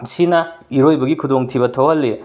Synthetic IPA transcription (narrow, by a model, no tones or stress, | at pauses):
sinɐiɾojbɐɡikʰudoŋtʰibɐtʰowɦɐlːe